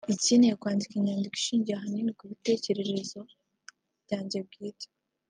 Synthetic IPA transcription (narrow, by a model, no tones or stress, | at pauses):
iciːnejakwaːndikiɲaːndiki̥ʃiːɲɟijaɦaninikuβite̞ːce̞ɾe̞ɾe̞zo̞ | bɟaːɲɟe̞b̚ɡiːtḁ